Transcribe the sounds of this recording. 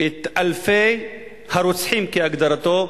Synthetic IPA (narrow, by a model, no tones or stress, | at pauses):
ʔet̪ʔalfej | haɾut͡sħimkeaɡd̪ɐɾat̪o